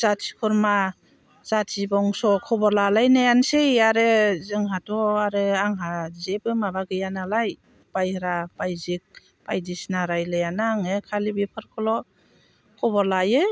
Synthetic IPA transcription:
z̥atʰi̥kʰɔɾma | z̥atʰibɔŋsɔkʰɔbɔɾlalajnajansejaɾɯzɯŋɦatʰɔaɾɯaŋɦazebɯmabaɡɯjanalaj | bajhɾabajzik̚ | pajdisnaɾajlajanaŋɯkʰalibipʰɯɾkʰɔlɔ | kʰɔbɔlajɯ

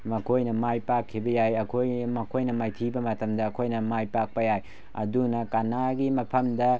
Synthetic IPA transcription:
mɐkʰojnɐmajpakʰːibɐjajɐkʰojmɐkʰojnɐmajtʰibɐmɐtɐmdɐːkʰojnɐmajpak̚pɐjaj | ɐ̰dunɐkanaɡimɐpʰɐmdɐ

